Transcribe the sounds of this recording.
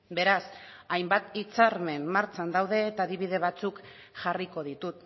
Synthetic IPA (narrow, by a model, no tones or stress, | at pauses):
be̞ɾas | ajmbat̪it͡saɾme̞mːaɾt͡ʃand̪awðe̞ːt̪aːðiβ̞ið̞e̞β̞at͡suk | ʝariko̞ð̞it̪ut̪